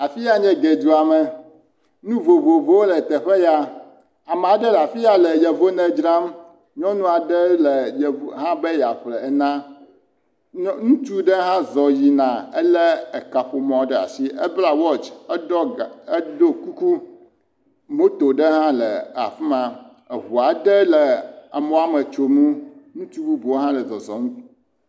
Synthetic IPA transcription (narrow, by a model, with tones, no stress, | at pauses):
a˨fi˦ja˦ɲɛ̃˦ɡe˨d͡ʒu˨a˨mɛ˨ | nũ˦vo˨vo˨vo˦wo˦lɛ˨t̪ɛ˨ɸɛ˦ja˨ | a˨me˨a˨ɖɛ˦la˨fi˦ja˦lɛ˨jɛ˨vo˦nɛ˦d͡ʒɾã˦m | ɲɔ̃˦nũ˦a˨ɖɛ˦lɛ˨jɛ˨ɦã˦be˦ja˨ɸlɛ˨ɛ˨nã˦ | ŋũ˦t͡ʃu˦ɖɛ˦ɦã˦zɔ˨ji˨nã˨ɛ˦lɛ˦ɛ˨ka˨ɸo˨mɔ̃˨˦ɖɛ˦a̰˨si˦ɛ˦bla˨wɔ˦t͡ʃɛ˦ɔ˦˨e˦do˦ku˦ku˦ | mo˦t̪o˨ɖe˦ɦã˦lɛ˨a̰˨fi˦mã˨ | e˨ɦu˨a˨ɖɛ˦lɛ˨a̰˨mõ˨˦a˨mɛ˨t͡ʃo˨mũ˦nũ˦t̪u˦bu˦bu˨o˦ɦã˦lɛ˨zɔ˨zɔ˨ŋũ˦tu˦